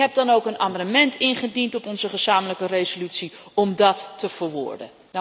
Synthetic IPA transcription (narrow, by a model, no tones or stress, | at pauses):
ɦɛb̚dɑnowkənaːmɑndəmɛntɪnχədintɔpɔnzəχəz̥aːmələkərejzolytsiɔmdɑtːəv̥əɹʋʊ̰ːɹdə̰ | n